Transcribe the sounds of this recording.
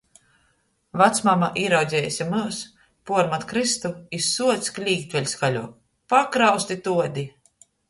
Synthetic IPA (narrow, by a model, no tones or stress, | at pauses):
vat̪smamaʔiɾawd̪zʲɛːjsʲimɨs | puɔɾmat̪kɾist̪uisːuɔt̪sklʲiːkt̪ʲvʲɛlʲskalʲuɔ | pakɾawst̪it̪uɔd̪ʲi